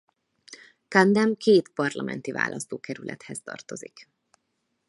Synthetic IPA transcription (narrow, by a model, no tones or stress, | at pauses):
kɑnd̪ɛmkʰeːt̪pɒrlɒmʔɛnt̪iva̰ːlʔɒst̪oːkɛɾylʔɛt̪hɛst̪ɒrt̪o̞zik